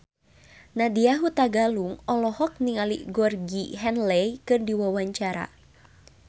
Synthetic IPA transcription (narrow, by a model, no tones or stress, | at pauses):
nadiaɦut̪aɡaluŋɔlɔhɔk̚niŋalḭɡɔrɡiɦɛnlɛjkɨrdiwawaɲt͡ʃaɾa̰